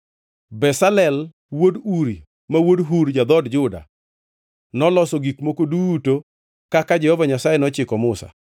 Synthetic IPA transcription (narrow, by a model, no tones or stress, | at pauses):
bɛsalɛl | woduɾi | mawodɦuɾd͡ʒad̪ɔdd͡ʒʊda̰ | nɔlɔsɔɡikmokoduto | kakad͡ʒɛhɔvaɲasajɛnɔt͡ʃɪkɔmʊsa̰